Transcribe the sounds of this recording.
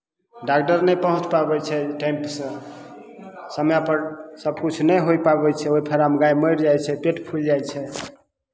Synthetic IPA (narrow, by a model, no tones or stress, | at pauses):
ɖakʈəɾnəjpəɦũt͡ʃpabɛt͡ʃʰɛʈaimpsə̃ | səmjapəɾsəbkut͡ʃʰunəjɦojpabɛt͡ʃʰɛoipʰeɾamɡajməjɾd͡ʒajt͡ʃʰɛpeʈpʰuld͡ʒajt͡ʃʰɛ